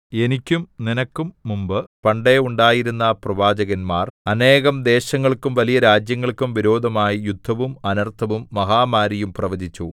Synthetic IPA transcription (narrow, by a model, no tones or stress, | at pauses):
e̞nikʲːumninɐkːumːumbɨpɐɳɖe̞uɳɖaːjiɾunːɐprɐʋaːd͡ʑɐɣɐnmaːrɐne̞ːɣɐmd̪e̞ːɕɐŋːɐɭkumʋɐlijɐɾaːd͡ʑjɐŋːɐɭkumʋiɾo̞ːd̪ʱɐmaːjijud̪ʱːɐʋumɐnɐrt̪ʰːɐʋumːɐɦaːmaːɾijumprɐʋɐd͡ʑit͡ɕːu